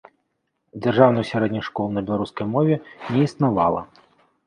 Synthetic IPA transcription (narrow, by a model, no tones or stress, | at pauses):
d͡zʲarʐawnɨjwsʲaɾɛd̪ʲnʲɐʂkɔlˠnɐbʲɛlˠaɾuskɐjmɔvʲɛnʲɛisnava̰lˠɐ̰